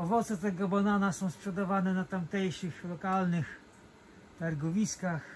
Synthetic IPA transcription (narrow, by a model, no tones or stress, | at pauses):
ɔvɔt̪sɛt̪ɛɡɔbananasɔ̃w̃spʂɛd̪avanɛnat̪amt̪ɛjʂɘxlɔkalnɘx | t̪aɾɡɔvʲiskax